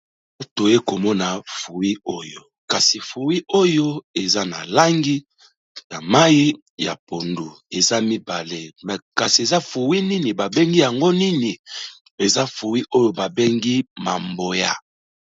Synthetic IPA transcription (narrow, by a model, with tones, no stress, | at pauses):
o˦to˨je˦ko˨mɔ˦na˨fu˨wi˦o˦jo˨ | ka˨si˨fu˨wi˦o˦jo˦e˨za˦na̰˨la˦ŋɡi˦ | na˨ma˦ji˦ | ja̰˨po˨ndu˨ | e˨za˦mi˦ba˨le˦m˨ka˨si˨e˨za˦fu˨wi˦ni˦ni˨ba˨be˦ŋɡi˦ja˨ŋɡo˦ni˦ni˨ | e˨za˦fu˨wi˦ʔo˦jo˨ba˨be˦ŋɡi˦ma˨mbo˨ja˦